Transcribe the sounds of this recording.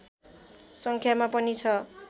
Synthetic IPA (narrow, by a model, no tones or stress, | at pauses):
sʌŋkʰjamapʌnit͡sʰʌ